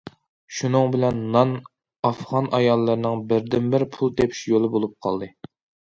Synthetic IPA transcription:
ʃunɨŋbɪlɛnːɑn | ɑfʁɑnʔɑjɑlˠːɨɾnɨŋbɪɾd̪ɪmbɪɾpʰulˠt̪ʰepʰi̥ʃjolˠɨbolˠup̚qʰɑ̰lˠd̪ɨ

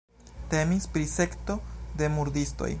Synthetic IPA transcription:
te̞mispɾise̞kto̞de̞muɾdisto̞̰j

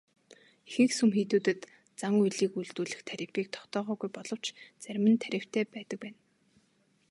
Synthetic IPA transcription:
exɘ̆ŋxsumxiːt̪uːt̪ɘ̆t̪ | t͡saŋujɮiːkuɮt̪uːɮɘ̆xt̪ʰæɾʲɪ̆piːk̚t̪ʰɔ̥χt̪ɔːʁœːɣujpɔɮɞ̆w̥t͡ɕt͡sæɾʲmɘ̆nt̪ʰæɾʲɪ̆w̥t̪ʰeːpæːt̪ə̆k̚pæːn

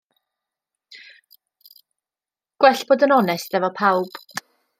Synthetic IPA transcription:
ɡ̥wɛɬb̥oːdənɔnɛstɛvɔpʰawb̥

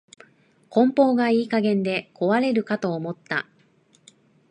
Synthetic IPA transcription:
kõ̞mpo̞ːɡaiːkaɡẽ̞nd̪e̞ko̞βaɾe̞ɾɯ̟kat̪o̞ːmo̞t̪ːa̰

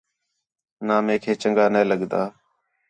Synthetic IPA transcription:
naːmẽːkʰeːt͡ʃəŋɡaːneːləɠd̪aː

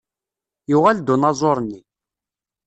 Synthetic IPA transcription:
jʊʁæld̪unɑzˤoɾˤnːi

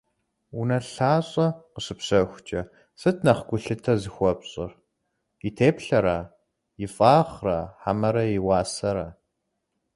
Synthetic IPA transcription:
unɐɬaːɕʼɐqəɕɨpɕɐxʷt͡ʃʼɐ | sɨtʰnɐχɡʷʊɬɨtʰɐzɨxʷɔpɕʼɪr | itʰeːpɬɐɾaː | jɪfʼaːʁraːħamɐɾɐjɪwaːsɐɾaː

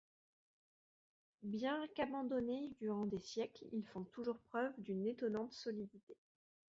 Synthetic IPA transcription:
bjɛ̃kabɑ̃d̪ɔned̪yʁɑ̃d̪esjɛklḭlfɔ̃t̪uʒuʁpχœvd̪ynet̪ɔnɑ̃t̪sɔlid̪it̪e

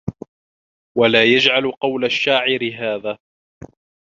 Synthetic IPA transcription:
walaːjad͡ʒʕalqɑwlaʃːaːʕɪɾɪɦaːðaː

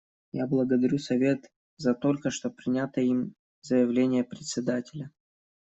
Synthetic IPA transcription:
jablˠəɡəd̪ɐɾʲusɐvʲe̞t̪ | zɐt̪o̞lʲkəʂt̪o̞pɾʲɪnʲat̪əim | zəjɪvlʲenʲɪjəpɾʲɪt̪ʲsʲɪd̪atʲɪlʲə

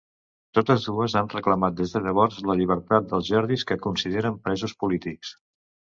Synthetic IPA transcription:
t̪ot̪əzðuəzanrəkləmat̪̚d̪ezðəʎəβɔɾzləʎiβ̞əɾt̪at̪̚d̪əlˠzʒɛɾðiskəkunsiðeɾəmpɾɛzuspulit̪iks

